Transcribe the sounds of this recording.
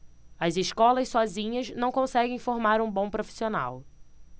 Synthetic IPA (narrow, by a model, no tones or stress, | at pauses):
ɐzɪʃkɔlɐssɔzĩɲɐznɐ̃w̃kõsɛɡẽj̃foɾmaɾũbõw̃pɾofi̥siona̰w